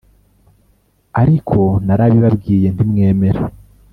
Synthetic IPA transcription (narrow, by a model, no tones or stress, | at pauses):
aɾikʰo̞naɾaβiβabɡiːje̞ndimŋe̞ːme̞ɾa